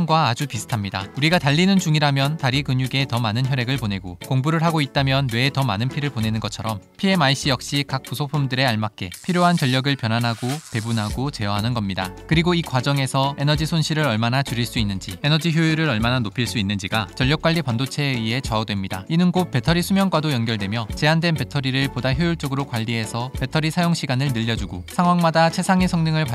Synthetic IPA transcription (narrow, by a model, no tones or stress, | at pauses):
ŋɡwaːd͡ʑupisʰɯ̥tʰamɲida̰uɾiɡataʎːinɯnt͡ɕuŋiɾamjʌntaɾikɯɲuɡe̞tʌmanɯnçjʌɾe̞ɡɯɭpone̞ɡokoŋbuɾɯɭɦaɡoit̚t͈amjʌnwe̞tʌma̰nɯnpʰiɾɯɭpone̞nɯnɡʌt͡ɕʰʌɾʌmpʰie̞maiɕ͈ijʌk̚ɕ͈ikak̚p͈usʰopʰumdɯɾe̞aɭmak͈e̞pʰiɾjoɦant͡ɕʌʎːʌɡɯɭpjʌnɦanɦaɡope̞bunɦaɡot͡ɕe̞jʌɦanɯnɡʌmɲida̰kɯɾiɡoikwad͡ʑʌŋe̞sʰʌe̞nʌd͡ʑisʰonɕʰiɾɯɾʌɭmanat͡ɕuɾiɭs͈uinːɯnd͡ʑie̞nʌd͡ʑiçjoiɾɯɾʌɭmananopʰiɭs͈uinːɯnd͡ʑiɡat͡ɕʌʎːʌk͈waʎːipandot͡ɕʰe̞ie̞t͡ɕʌʌdwe̞mɲida̰inɯnɡop͈e̞tʰʌɾisʰumjʌŋɡwadojʌŋɡjʌɭdwe̞mjʌt͡ɕe̞andwe̞npe̞tʰʌɾiɾɯɭpodaçjojuɭt͡ɕ͈ʌɡɯɾokwaʎːiɦe̞sʰʌpe̞tʰʌɾisʰajoŋɕʰiɡanɯɭnɯʎːʌd͡ʑuɡosʰaŋɦwaŋmadat͡ɕʰe̞sʰaŋesʰʌŋnɯŋɯɭpa